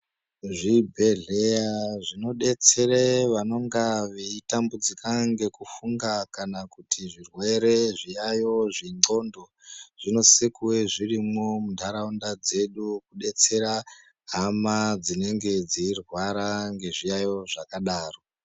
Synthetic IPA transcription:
ʐibʱe̞ɮejaʐino̞ɗe̞t͡se̞ɾeʋano̞ŋɡaʋeitambud͡zikaŋɡe̞kufuŋɡakanakutʰiʐirwe̞ɾe̞ʐijajo̞ʐiŋ͡ǃo̞ndo̞ | ʐ̥ino̞sekuweʐirimo̞mudʱaɾaundad͡ze̞ɗukuɗe̞t͡se̞ɾa | ɦamad͡zine̞ŋɡe̞d͡ziːrwaɾaŋɡe̞ʐijajo̞ʐakaɗaːro̞

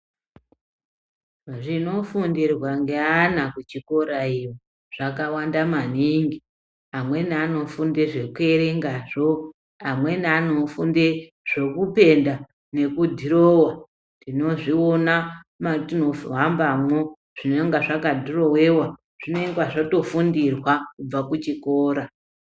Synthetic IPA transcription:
ʐino̞funderwaŋɡeanakut͡ʃiko̞ɾaijo | ʐ̥akawandamaniŋɡi | amwe̞nano̞funde̞ʐe̞kue̞ɾe̞ŋɡaʐo | amwe̞nano̞funde | ʐ̥o̞kupe̞nda | ne̞kudʱiɾowa | ndino̞ʐio̞namatinofuɦambamo | ʐ̥ineŋɡaʐakadʱiro̞we̞wa | ʐ̥ine̞iŋɡwaʐoto̞fundirwakub͡vakut͡ʃikoːɾa

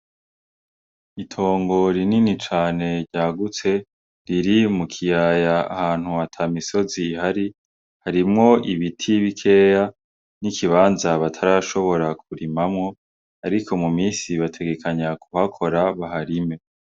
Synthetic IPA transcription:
itʰo̞ːŋɡo̞ɾininit͡ʃaːne̞ɾɟaːɡut͡se̞ | ɾiɾimukʰijajaa̰haːn̥huatʰamiso̞ziːhaɾi | haɾimŋo̞iβitʰiβikʰe̞ːja | nikʰiβaːnzaβatʰaɾaʃo̞βo̞ɾak̚ʰuɾimamŋo̞ | aɾikʰo̞mumiːsiβatʰe̞ɡe̞kʰaɲakuhakʰo̞ɾaβaɦaɾime̞

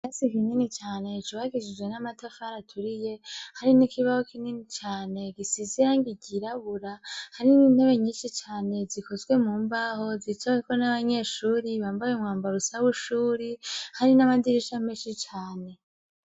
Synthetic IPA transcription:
jasikininit͡ʃaːne̞t͡ʃuβaɡid͡ʒid͡ʒɡwe̞namatafaɾatʰuɾije̞haɾinikiβahokʰininit͡ʃaːne̞ɡisizijaːŋɡiɟiɾaβuɾahaɾinineβeɲiːnʃit͡ʃaːne̞zikʰo̞zɡwe̞muːmbaho̞zit͡ʃakonaβaɲe̞ːʃuːɾiβaːmbajumŋaːmbaɾusaβuʃuːɾihaɾinamadiɾeʃameːʃit͡ʃaːne̞

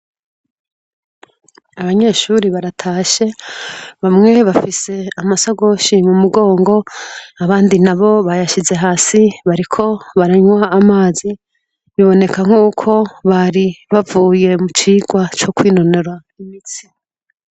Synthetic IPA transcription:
aβaɲe̞ːʃuɾiβaɾatʰaːʃe̞βamŋe̞βafise̞amasaɡo̞ːʃimumuɡo̞ːŋɡo̞aβaːndinaβo̞βajaʃize̞ɦaːsiβaɾikʰo̞βaɾaɲwaːmaːzi | βiβo̞ne̞kaŋ̥uːkʰo̞βaɾiβavuːje̞mut͡ʃiːɡwat͡ʃo̞kwiːno̞ne̞ɾwa | imit͡si̥

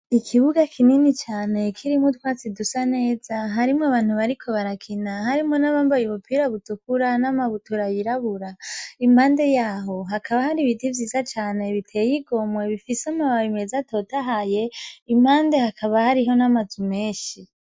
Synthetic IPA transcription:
ikʰiβuɡakʰininit͡ʃaːne̞kʰiɾimutwaːt͡sidusane̞ːzaɦaɾimŋaβaːn̥huβaɾikʰo̞βaɾakʰinahaɾimŋo̞naβambajuβupʰiɾaβutukuɾanamaβutuɾajiɾaβuɾaimaːnde̞jaːɦo̞ɦakʰaβahaɾiβidivjiːzat͡ʃaːne̞βitʰe̞jiɡo̞mwe̞βifiseamaβajimezato̞ːtaɦaje̞im̥haːnde̞hakʰaβahaɾiɦo̞namazume̞ːʃi

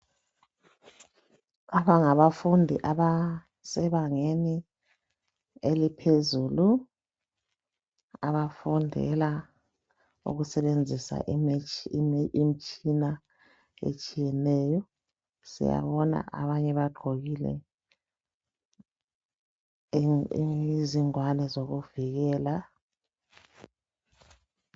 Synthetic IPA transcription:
aβaŋaβafundʱiʔaβa | sɛβaŋeni | elipʰezulu | aβafundʱɛ̰la | ṵɣusɛβend͡zʱisa̰ʔm | im̩t͡ʃʼina | ḛt͡ʃʼijɛnɛːjɔ | sḭja̰βɔna̰ʔaβaɲɛβaɡ͡ǃʱoɣilɛ̰ | iziŋwanɛzoɣuviɣɛːla

